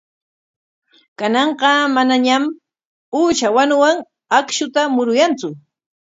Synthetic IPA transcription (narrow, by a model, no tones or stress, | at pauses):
kanɑɴqɑmanaɲam | uːt͡ʃawanʊwaŋ | akʃʊt̪amʊɾʊjant͡sʊ